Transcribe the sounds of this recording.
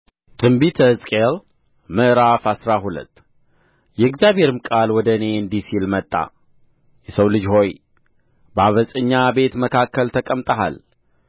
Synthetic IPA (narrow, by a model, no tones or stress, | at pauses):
t̪ʰɨmbit̪ʰəzʼkʼeɾ | mɨʔɾafasɾaɦulə̰t̪ː | jɛɨɡzijaβhe̞ɾɨmkʼalwɔd̪əne̞ɨnd̪isilmət̪ʼːa̰ | jɛsəwlɨd͡ʒho̞j | baβəsʼəɲːabe̞t̪məkʰakʰːəlt̪ʰəkʼəmt̪ʼəɦa̰l